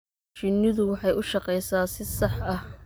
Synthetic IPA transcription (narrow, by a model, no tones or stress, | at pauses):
t͡ʃɪnɪðʊwɑħɑjʔʊʃɑqɛjsaːsɪsɑħɐh